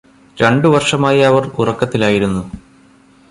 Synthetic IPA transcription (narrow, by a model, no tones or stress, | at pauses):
ɾeɳɖɨʋɐrʂɐmaːjɐɐʋɐrurɐkːɐt̪ːilaːjiɾunːu